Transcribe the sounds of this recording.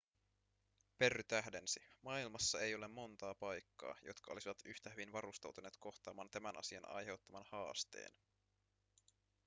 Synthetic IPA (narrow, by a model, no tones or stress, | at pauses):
pe̞rːyt̪æɦdensimɑilmɑsːɑejo̞le̞mːo̞nt̪ɑːpɑjkːɑ̰ːjo̞̰t̪kɑo̞lisiʋɑt̪yht̪æhyʋinʋɑɾust̪ɑwt̪une̞ːt̪ko̞xt̪ɑːmɑːnt̪æmænʔɑ̰siɑnɑ̰jɦe̞wt̪ːɑmɑnhɑːst̪e̞̰ːn